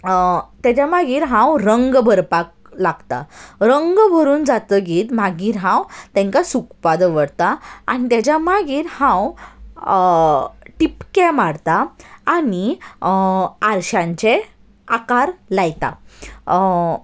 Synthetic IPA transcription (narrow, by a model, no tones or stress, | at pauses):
t̪jat͡ɕjamaɡiːɾɦãwɾəŋɡbʱəɾpak̚ | laɡt̪a̰ɾəŋɡbʱəɾuːnd͡zat̪əɡiːt̪maɡiːɾɦãwt̪ɛ̃ŋkasukpad̪ʋəɽt̪aa̰ñit̪jat͡ɕjamaɡiːɾhãw | ʈipkɛmaɽt̪aani | aɾɕãɲt͡ɕe | akaɾlajt̪a̰